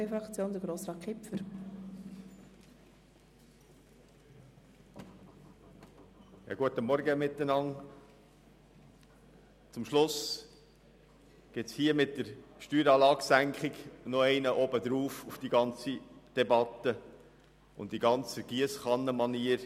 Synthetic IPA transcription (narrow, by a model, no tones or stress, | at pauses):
efɾɑkt͡sjoːnd̪əɡɾoːsɾɑːkʰɪpfəɾ | jɑ̰ɡuət̪əmɔɾɡəmɪt̪ːənɑŋ | t͡sʊmʃlʊs | ɡ̥ɪtt͡shiəmɪt̚dəɾʃtyːɾɑːlɑːksæŋkχɪɡnɔɛɪnəʔɔbəd̪ɾuːfufd̥iɡɑnt͡sid̥ɛbɑt̪ə | ʊ̰nddiɡɑnt͡səɡ̥iəsχɑnːəmɑniːəɾ